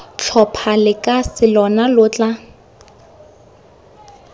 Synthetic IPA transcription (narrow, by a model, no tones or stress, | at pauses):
t͡ɬʰɔpʰalɪkʼasɪlɔnalʊt͡ɬʼa